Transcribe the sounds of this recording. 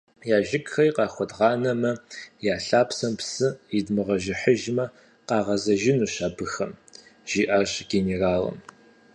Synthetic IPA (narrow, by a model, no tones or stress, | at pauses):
jaːʒɪkxɐjqɑːxʷɔdʁɑːnɐmɐjaːɬaːpsɐmpsɨjɪdmɨʁɐʒɪħəʒmɐ | qɑːʁɐzɐʒɪnuːɕaːbɨxɐmʒ̥iːʔɐrɕɡ̥ʲeneraːlɐ̰m